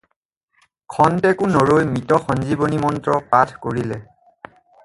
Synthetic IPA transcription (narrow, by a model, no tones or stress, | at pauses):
kʰɔntɛkʊnoɹojmitɔxɔnzibonimɔntɹɔpatʰkoɹilɛ